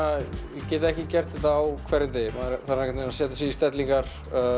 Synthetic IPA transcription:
ajɛcɛːt̪̬aɛhcɪcɛr̥t̪θɛt̪aːwkʰvɛɾɪnt̪eːjmaɾθanːɛkʰɛt̪enasɛːt̪asiist̪ɛt̪liŋkaɾ̥

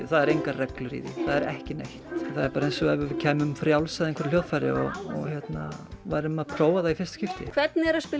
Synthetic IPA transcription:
θaðɛɾejŋkarɛklʏɾḭðɪ̰θaðɛɾɛ̰hcɪnejht̪θaðɛɾpaːɾaejnsɔɛvʏɾvɪcʰɛːmʏmfɾjawlsaðeŋkʰvɛɾjoːwðfajɾɪ̰ɔ̰ɔ̰ɣçɛt̪na̰vajɾʏmaðpʰɾoːwaðaifɪrst̪scɪft̪ɪ̰kʰv̥ɛt̪nɪɛɾaspɪ

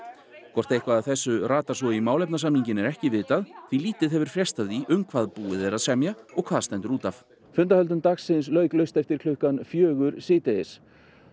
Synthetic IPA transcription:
kʰɔr̥t̪ejhkvaðaðθɛsːʏraːt̪ḁsɔimaːwlɛpnas̬amniɲcɪnɛɾɛhcɪvɪːt̪aðθiliːt̪ɪðɦɛvʏɾ̥fɾjɛst̪avðiʔʏmkʰvaːðpuːɪðɛɾaðsɛmjaɔɣkʰvaːðst̪ɛnt̪ʏɾuːt̪af | fʏnt̪ahœlt̪ʏmt̪aksɪns̬lœːɥklœɥst̪ɛft̪ɪɾ̥kʰlʏhkanfjœːɣʏɾsiːt̪ɛɪs

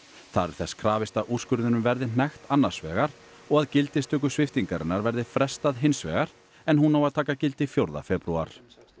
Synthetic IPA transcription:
θaɾɛɾ̥θɛskʰɾaːvɪst̪aʔuːskʏɾðɪnʏmvɛɾðɪn̥ɛxt̪anːaɾ̥svɛːɣaɾ̥ | ɔɣaðcɪlt̪ɪst̪ʰœːk̬ʏsvɪft̪iŋkaɾɪnːaɾvɛɾðɪfɾɛst̪aðɦɪnsvɛ̰ːɣaɾ̥ | ɛnɦunaːwaðt̪ʰaːkacɪlt̪ɪfjowɾða̰fɛpɾua̰ɾ̥

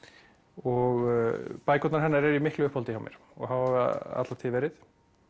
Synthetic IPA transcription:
ɔɣpaːjkʰɔt̪naɾɦɛnːaɾɛɾimɪhklʏʏhphɔlt̪ɪhawmjɛ̰ɾ̥ | ɔ̰ɣɦawhava̰t̪lat̪ʰɪlvɛːɾɪθ

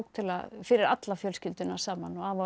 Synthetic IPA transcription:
kt̪ʰɪla̰ðfɪɾɪɾat̪lafjœlscɪlt̪ʏnḁsaːmanɔaːva

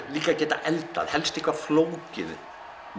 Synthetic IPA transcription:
liːkacɛːt̪a̰ʔɛlt̪a̰ðhɛlst̪ɪhkvafloːwcɪ̰ð

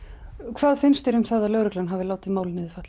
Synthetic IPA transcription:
kʰvaːðfɪnst̪ɪɾʏmθaðalœːɣɾʏklanɦavɪlaːwt̪ɪðmaːwlɪnːɪðɪfaht̪l

